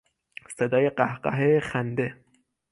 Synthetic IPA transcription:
sed̪ɒːjeɢæhɢɑ̰ɦexænd̪e

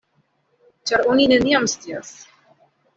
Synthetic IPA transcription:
t͡ɕaɾoninɛnijamst̪ias

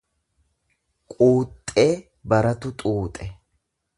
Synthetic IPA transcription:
kʼuːt̪ʼːe̞ː | bɐɾɐt̪ʊt̪ʼuːt̪ʼɛ

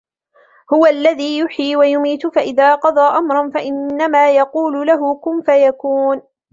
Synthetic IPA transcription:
hʊwaalːaðiːjʊħiːwajʊmiːt̪faʔɪðaːqɑd̪ˤɑːʔamɾˤɑnfaʔɪnːamaːjɑquːlʊlaɦʊkʊnfajakuːn

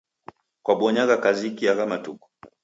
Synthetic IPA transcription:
kwaɓɔɲaɣakazikiaɣamatuku̥

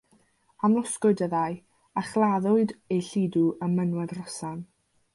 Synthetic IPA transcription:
amlˠɔskʊɨdəðaɨ | aχlˠaðʊɨdejɬiːduʔəmənwɛdrɔsan

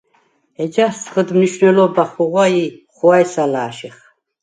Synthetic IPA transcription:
ɛd͡ʒast͡sʰχəd̪mniʃnɛlɔbaχuʁʷwajiχuajsalaːʃiχ

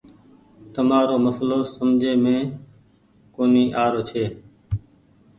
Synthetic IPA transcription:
t̪əmaːɾoːməsloːsəmd͡ʒʱeːmẽː | koːniːʔaːɾoːt͡ʃʰeː

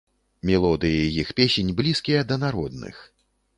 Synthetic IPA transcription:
mʲɛlˠɔd̪ɨjijixpʲesʲenʲblʲiskʲijɐd̪ɐnaɾɔd̪̚nɨ̰x

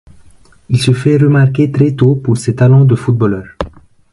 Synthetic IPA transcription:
ilsəfɛʁəmaʁket̪χɛt̪opuʁsɛt̪alɔ̃d̪əfut̪̚bɔlœːʁ

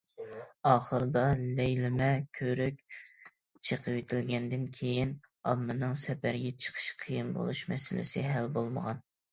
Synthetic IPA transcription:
ɑːχəɾɨd̪ɑlɛjlɪmɛkʲʰøɾykʲ | t͡ʃʰeqʰəwet̪ʰɪlɡʲɛnd̪ɪnkʲʰejinɑmːɨnɨŋsɛpæɾɡʲɛt͡ʃʰə̥qʰə̥ʃqʰijimbo̰lˠuʃmɛ̰sɪlɪ̰sɪɦælbolˠməʁɑn

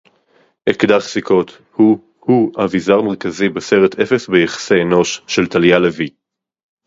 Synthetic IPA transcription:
ʔekd̪aʁsikʰo̞t̪ | hu | huavizaʁmeʁkazibeseʁet̪ʰefe̞sbejaχḁseːno̞ʃːe̞lt̪aljalevi

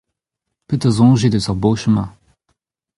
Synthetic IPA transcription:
pət̪əzɔ̃ʒed̪əsəʁboʃəmɛ̃

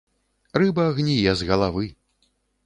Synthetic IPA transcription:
rɨbɐːɣnʲijɛzɣɐlˠavɨ

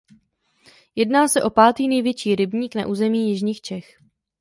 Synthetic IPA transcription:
jɛdnaːsɛʔo̞paːt̪iːnɛjvjɛt͡ʃiːɾɪbɲiːkna̰ʔuːzɛmiːjɪʒɲiːxt͡ʃɛx

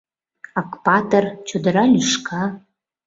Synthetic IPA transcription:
ɑkpɑt̪ərt͡ɕod̪əɾɑlʲyʃkɑ

